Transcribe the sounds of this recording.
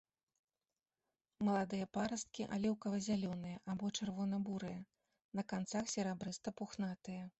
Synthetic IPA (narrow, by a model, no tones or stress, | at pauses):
mɐlˠad̪ɨjɐpaɾɐst̪̚kʲiʔa̰lʲɛwkɐvɐzʲalʲɔnɨjɐʔabɔt͡ʂɨrvɔnɐbuɾɨjɐ | nɐkant̪saxsʲɛɾabɾɨst̪ɐpuxnat̪ɨjɐ